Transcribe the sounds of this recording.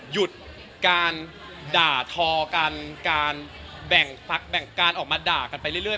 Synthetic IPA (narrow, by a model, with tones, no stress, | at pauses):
ju˨˩t̪̚ | kaː˧n | daː˨˩t̪ʰɔː˧ka˧nkaː˧n | bɛ˨˩ŋpʰa˦˥k̚bɛ˨˩ŋkaː˧nʔɔː˨˩k̚maː˧daː˨˩ka˧npa˧jɾɯ˥˩ɾɯ˥˩ə˨